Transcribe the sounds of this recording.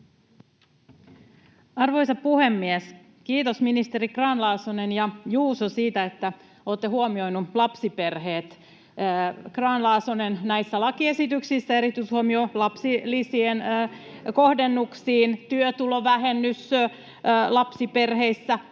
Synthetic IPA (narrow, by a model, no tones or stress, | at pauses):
ɑrʋo̞jsɑppuhe̞mːies | kiːt̪osminist̪e̞rikrɑːnlɑːsonenjɑjuːsosiːt̪æet̪ːæ | oːt̪ːehuomio̞jnulɑpsipe̞rheːt̪ː | krɑːnlɑːsonennæisːælɑkie̞sit̪yksisːæeɾit̪yishuomiolɑpsilːisien | ko̞hdenːuksiːnt̪yøt̪uloʋæɦenːys | lɑpsipe̞rhe̞isːæ